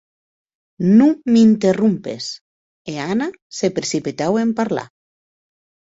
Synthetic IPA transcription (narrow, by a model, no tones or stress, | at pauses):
numint̪erumpḛs | eana | sepɾesipit̪awempaɾla̰